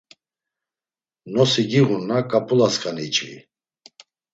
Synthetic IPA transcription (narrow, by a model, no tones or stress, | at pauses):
nɔsiɡiʁunːakʼapʰʼulaskʼaniːt͡ʃʼvḭ